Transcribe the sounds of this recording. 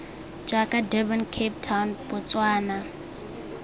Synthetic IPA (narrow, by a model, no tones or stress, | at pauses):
d͡ʒakʼadɛbɔnkʰeptʰawnbʊt͡sʼwaːna